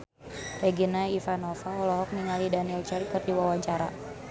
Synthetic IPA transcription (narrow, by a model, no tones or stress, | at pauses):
rɛɡinaifanɔfaɔlɔɦɔk̚niŋalidaniɛlt͡ʃɛrkɨrdiwawaɲt͡ʃaɾa̰